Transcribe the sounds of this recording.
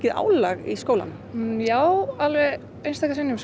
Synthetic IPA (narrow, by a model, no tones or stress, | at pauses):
cɪða̰ːwlaɣiskowla̰n | jaːwalvɛ | ejnst̪akasɪnːɪm